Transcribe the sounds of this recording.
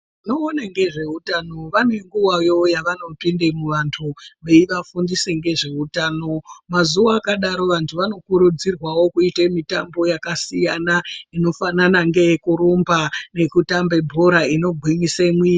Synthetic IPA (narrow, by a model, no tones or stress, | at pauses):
no̞ːnaŋɡe̞ʐe̞utano̞ʋanwe̞ŋɡuwajo̞jaʋano̞pindemuʋantʰuʋeiʋafundiseŋɡe̞ʐe̞utaːno̞mazuaːkaɗaɾo̞ʋantʰuʋano̞kuɾud͡zirwawo̞kuitemitambo̞jakasijanaino̞fananaŋɡe̞kuɾumbane̞kutambe̞bʱoɾaino̞ɡʱwiɲisemwiː